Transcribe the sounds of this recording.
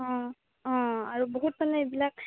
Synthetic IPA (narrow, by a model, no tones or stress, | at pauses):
ɔ̃ | ɔ̃aɹuboɦut̚manɛebilak̚